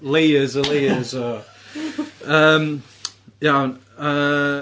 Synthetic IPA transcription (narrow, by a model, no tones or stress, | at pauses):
lejəzɔlejəzɔ | əːm | jawn | ə